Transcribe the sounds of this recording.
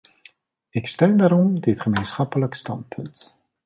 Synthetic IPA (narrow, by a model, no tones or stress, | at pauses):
ɪkstøɥndaːɾɔmdɪtχəmejnsχɑpələkstɑnt̚pʰɵnt